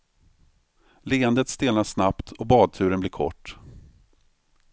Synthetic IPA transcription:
leːənd̪ət̪st̪eːlaʂnapt̪ʰɔbɑːd̪̚t̪ʰʉ̟ːɾənblɪːɾkʰɔ̰ʈː

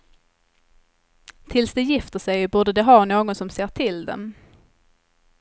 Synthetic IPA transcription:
t̪ʰɪlsd̪ɛjɪft̪əʂɛjbuːɖəd̪ɛɦɑːnoːɡɔnsɔmseːʈʰɪld̪ɛ̰m

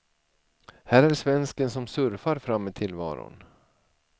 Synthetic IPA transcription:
hæːɾæʂvɛnskənsɔmsɵɾfaɾfɾamːɪt̪ʰɪlvɑ̰ːɾʊ̰n

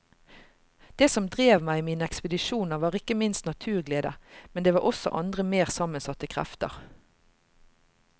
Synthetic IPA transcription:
d̪̥eːsɔmd̪ʁeːʋmæɪmiːnəɛkspəd̪ɪʃuːnəʁʋɑːʁɪkəmɪnst̪nɑt̪ʰʉːʁɡleːd̪əmɛnd̪eːʋɑːʔɔsɔ̰ʔɑ̰nd̪ʁəmeːʁsɑmənsɑt̪əkʰʁæ̰ft̪ə̰ʁ

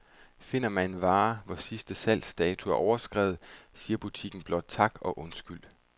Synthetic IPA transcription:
fe̝n̰ɐmæne̝nʋɑ̈ːʋɒsisd̥əsæl̰̥sd̥ɛːt͡sʰuæɐʔɒʊɐsɡ̥ʁɛːʊð̩ˠsiːɐb̥ut͡sʰiɡ̥n̩b̥lɒ̽d̥̚t͡sʰɑ̈ɡ̥ɒ̽ʔɔ̽nsɡ̥yl̰

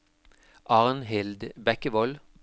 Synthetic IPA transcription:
ʔɑʁnhɪld̪bɛkəʋɔl

